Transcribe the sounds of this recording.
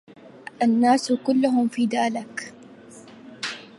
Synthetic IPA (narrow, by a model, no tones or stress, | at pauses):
ʔanːaːskʊlːʊɦʊmfiːd̪aːlɪk